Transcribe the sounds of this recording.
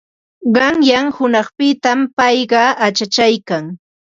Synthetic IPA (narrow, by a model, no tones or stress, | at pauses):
ɢɑŋjaŋhʊnɑχpɪt̪ampɑjɢɑat͡ʃat͡ʃajkaŋ